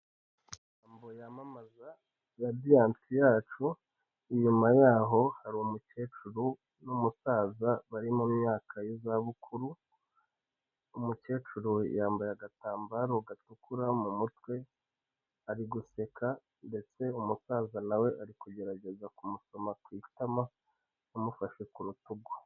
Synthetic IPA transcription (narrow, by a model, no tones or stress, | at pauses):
ijjaːmbo̞jamamaza | jadiaːntʰijaːt͡ʃu | iɲumajaːɦo̞haɾuumuce̞ːt͡ʃuɾu | numusaːzaβaɾimumɲaːkʰajozaβukʰuɾu | umuce̞ːt͡ʃuɾṵjaːmbajaɡataːmbaɾoɡatukuɾamumutwe̞ | aɾiɡuse̞kʰa | nde̞t͡se̞umusaːzanawe̞ʔaɾikuɟe̞ɾaɟe̞zakumuso̞makwiːtama | umufaʃekuɾutuɡḁ